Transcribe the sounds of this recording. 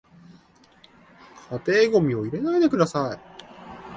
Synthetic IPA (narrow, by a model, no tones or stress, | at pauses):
kʰat̪e̞ːɡo̞mʲio̞iɾe̞naid̪e̞kɯd̪asai